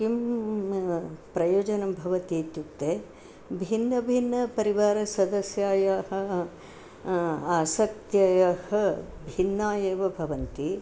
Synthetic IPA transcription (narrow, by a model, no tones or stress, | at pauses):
kim | pɾɐjoːd͡ʒɐnɐmbʱɐʋɐt̪iːt̪jut̪ːeː | bʱinːɐbʱinːɐpɐɾiʋaːɾɐsɐd̪ɐsjaːjaɦɐ̆ | aːsɐk̚t̪jɐjɐhɐbʱinːaːjeːʋɐbʱɐʋɐnt̪i